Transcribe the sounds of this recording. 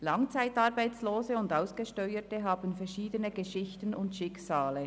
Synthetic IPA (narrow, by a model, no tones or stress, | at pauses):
lɑŋt͡saɪtɑɾbaɪt͡sloːzəʊndaʊsɡ̥əʃtœʏətəɦaːbənfɛɾʃiːdənəɡəʃɪçtənʊntʃɪksaːlə